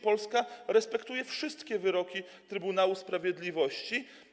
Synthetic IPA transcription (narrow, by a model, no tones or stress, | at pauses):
pɔlskaɾɛspɛkt̪ujɛfʂɘst̪kʲɛvɘɾɔkʲit̪ɾɘbunawuspɾavʲjɛd̪lʲivɔɕt͡ɕi